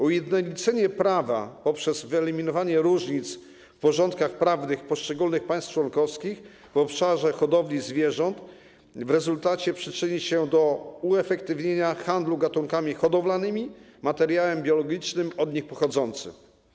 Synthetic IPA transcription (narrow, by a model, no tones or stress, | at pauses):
ujɛd̪nɔlʲit͡sɛɲɛpɾava̰pɔpʂɛzvɘɛlʲimʲinɔvaɲɛɾuʐɲit̪s | fpɔʐɔ̃nt̪̚kaxpɾavnɘxpɔʂt͡ʂɛɡulnɘxpãj̃st̪̚t͡ʂwɔnkɔfskʲix | vɔpʂaʐɛxɔd̪ɔvlʲizvʲjɛʐɔnt̪ | vɾɛzult̪at͡ɕɛpʂɘt͡ʂɘɲiɕɛd̪ɔuɛfɛkt̪ɘvɲeɲaxand̪luɡat̪uŋkamʲixɔd̪ɔvlanɘmʲimat̪ɛɾjawɛmbʲjɔlɔɡʲit͡ʂnɘmɔd̪ɲixpɔxɔd̪zɔnt̪sɘ̰m